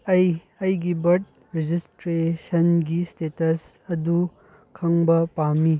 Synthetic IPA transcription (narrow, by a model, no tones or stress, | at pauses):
ɐj | ɐjɡibɐɾd̚ | ɾed͡ʒistɾesɐnɡistetɐs | ɐdu | kʰɐŋbɐpamːi